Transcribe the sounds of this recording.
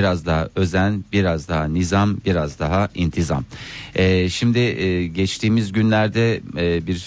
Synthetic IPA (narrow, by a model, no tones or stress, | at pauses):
ɾazd̪aɦaʔø̞zænbiɾazd̪aɦanizambiɾazd̪aɦaʔint̪ʰiza̰mɛʃimd̪ɪɟɛt͡ʃt̪ʰiːmizɟynlʲæɾd̪ɛbiɾs